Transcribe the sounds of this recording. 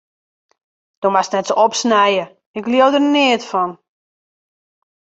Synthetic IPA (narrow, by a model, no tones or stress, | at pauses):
d̥ɔmasnɛtsɔpsnɛjə | ɪkliəwdərnɪətfɔn